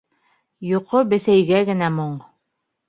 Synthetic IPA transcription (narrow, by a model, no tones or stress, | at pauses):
joqobɘ̆θæjɡæɡɘ̆næmoɴ